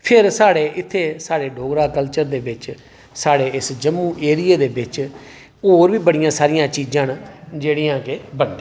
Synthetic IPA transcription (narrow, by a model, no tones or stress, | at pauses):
pʰɪɾsaːɽeːʔɪt̪ʰːeːsaːɽeːɖoːɡɾaːkəlt͡ʃəɾd̪eːbɪt͡ʃ | saːɽeːɪsd͡ʒəmːũːʔeːɾɪeːd̪eːbɪt͡ʃ | oːɾʋiːbəɽɪjãːsaːɾɪjãːt͡ʃiːd͡ʒãːnd͡ʒeːɽiːãːkɪbəɖ